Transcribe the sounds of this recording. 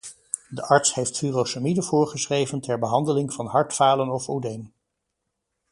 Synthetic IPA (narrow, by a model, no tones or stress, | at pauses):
dəʔɑɹtsɦejftfyːrosamidəvʊːɹχəsrejvəntɛɹbəɦɑndəlɪŋvɑnɦɑɹtfaːlənɔfowdejn